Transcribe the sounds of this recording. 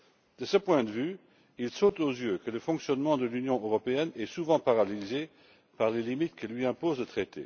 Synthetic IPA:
d̪̥əsəpwɛ̃d̪əvy | ilsot̪ozjøkələfɔ̃ksjɔnmɑ̃d̪əlynjɔ̃ʔøʁɔpeɛnɛsuvɑ̃paʁalize | paʁlelimit̪kəlɥiɛ̃pozlət̪χet̪ḛ

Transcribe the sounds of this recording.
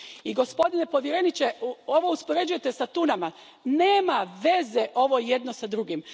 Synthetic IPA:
iɡo̞spo̞d̪ine̞po̞ʋje̞ɾe̞nit͡ɕeo̞ʋouspoɾe̞d͡ʒuje̞t̪esat̪unama | neːmaʋe̞zeʔo̞ʋo̞jed̪no̞sad̪ɾuɡim

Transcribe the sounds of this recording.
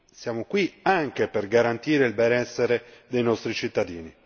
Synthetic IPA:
sjaːmokwiaŋk̟eperɡaɾant̪iːɾeilbɛnɛsːeɾed̪ejnɔst̪ɾit͡ʃit̪ːad̪iːni

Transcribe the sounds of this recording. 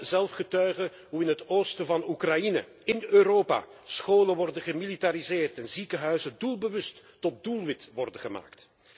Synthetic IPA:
zɛlˠfχətœɥɣə | ɦuɪnɦətoːwstəvɑnukrɑjinə̰ | ɪnøːɾoːpa̰ːsxoːləʋɔrdəɣəmilitaɾizɪːrtɛnzikəɦœɥzədulˠbəʋɵstːɔt̚dulˠʋɪtʋɔrdəɣəma̰ːkt

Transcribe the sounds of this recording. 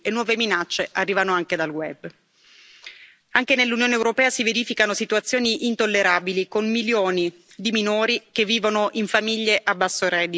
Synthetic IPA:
enːwɔːveminat͡ʃːeʔarːiːvanoaŋked̪alwɛb | aŋkenelːunjoːneːwɾopɛːasiveɾiːfikanosit̪uat̪sːjoːniʔint̪olːeɾaːbilikonmiljoːni | d̪iminoːɾikevːiːvonoʔiɱfamiʎːeʔabːasːoɾɛd̪i

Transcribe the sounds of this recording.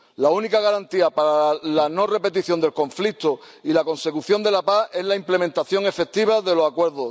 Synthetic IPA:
launikaɣaɾant̪iapaɾalano̞re̞pe̞t̪iθjo̞nd̪e̞lko̞ɱflit̪o | ilako̞nse̞kuθjo̞nd̪e̞lapae̞zlaimple̞mẽnt̪aθjo̞ŋe̞fe̞k̚t̪iβ̞aðe̞lo̞sakwe̞ɾðo

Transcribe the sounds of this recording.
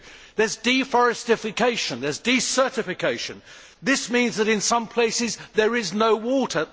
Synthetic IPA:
ðə˞zdifɔɹɨstɪfɨkʰeɪʃɨ̃nðə˞zdisɜ˞ɾɨfɨkʰeɪʃɨ̃n | ðɪsmĩnzðɨɾɨ̃nsʌ̃mpʰl̥eɪsɪzðə˞ɪznoʊwɔɾə˞

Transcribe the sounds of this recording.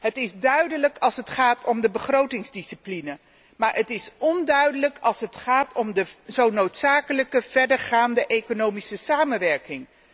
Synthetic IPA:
ɦətɪzdœɥdələkɑlˠsɦətχaːtʰɔmdəbəχrowtɪŋzdisiplinə | maːɹʔətɪsɔndœɥdələkɑlˠsɦətχaːtʰɔmdəzownowtsaːkələkəv̥ɛɹdəɹχaːndəʔejkonowmisəsaːmənʋɛɹkɪŋ

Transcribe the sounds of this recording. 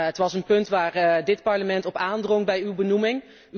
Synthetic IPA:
ɦətʋɑsənpɵntʋaːɹdɪtpɑɹləmɛntɔpaːndrɔŋbɛjywbənumɪŋ

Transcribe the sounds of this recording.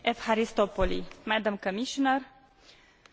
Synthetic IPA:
ʔɛfhaɾist̪opɔlimad̪ə̃mkəmiʃɔnəɾ

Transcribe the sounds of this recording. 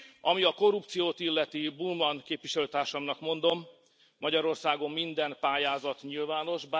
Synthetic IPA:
ɒmiɒko̞rupt̪sijoːt̪ilːɛt̪ibulmɒnkeːpʋiʃɛløːt̪aːrʃɒmnɒkmo̞nd̪o̞mː | ɒɟɒɾo̞rsaːɡo̞mːind̪ɛmpaːjaːzɒt̪ɲilvaːno̞ʒb

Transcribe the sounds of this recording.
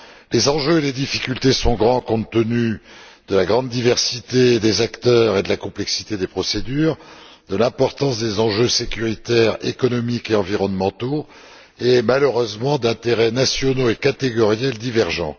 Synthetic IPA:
lezɑ̃ʒøeled̪ifi̥kʲylt̪esɔ̃ɡʁɑ̃kɔ̃t̪ːənyd̪̥əlaɡʁɑ̃d̪ːivɛʁsit̪ed̪ezakt̪œːʁed̪əlakɔ̃plɛksi̥t̪ed̪epχɔsed̪yːʁ | d̪əlɛ̃pɔʁt̪ɑ̃sd̪ezɑ̃ʒøsekʲyʁit̪ɛʁekɔnɔmikeɑ̃viʁɔnmɑ̃t̪o | emaləʁøzmɑ̃d̪ɛ̃t̪eʁɛnasjɔnoekat̪eɡɔʁjald̪ivɛʁʒɑ̃

